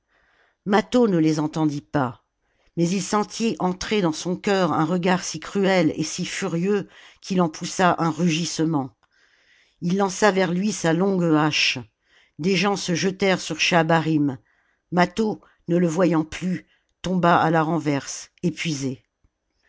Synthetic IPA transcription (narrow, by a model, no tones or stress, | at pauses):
mat̪onəlezɑ̃t̪ɑ̃d̪ipa | mɛzilsɑ̃t̪ʰiʔɑ̃t̪χed̪ɑ̃sɔ̃kʲœʁɛ̃ʁəɡaʁsikχyɛlḛsifyʁjøkʰilɑ̃pʰusaʔɛ̃ʁyʒisəmɑ̃ | ilːɑ̃savɛʁlɥisalɔ̃ɡaʃ | d̪eʒɑ̃səʒət̪ɛʁsyʁʃabaʁimː | at̪o | nələvwajɑ̃ply | t̪ɔ̃baalaʁɑ̃vɛʁsepɥize